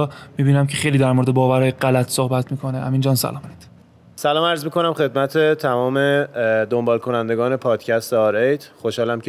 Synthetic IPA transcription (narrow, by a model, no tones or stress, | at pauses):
ɒːmiːbiːnæmcʰe̞χejliːd̪æɾmoɾed̪e̞bɒːvæɾɒːjeɢælæt̪ʰsohbæt̪ʰmiːkʰo̞nehæ̰miːnd͡ʒɒːnsæ̰lɒːmd̪ | sælɒːmæɾzmiːko̞næmχe̞d̪mæt̪ʰet̪ʰæmɒːmed̪ombɒːlkʰo̞nænd̪e̞ɡɒːne̞pʰɒːd̪̥cʰæst̪eɒɾejd̪χoʃhɒːlæmk